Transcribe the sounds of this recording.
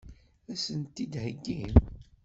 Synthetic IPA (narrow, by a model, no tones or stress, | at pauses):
æsənt̪ːid̪həɡːim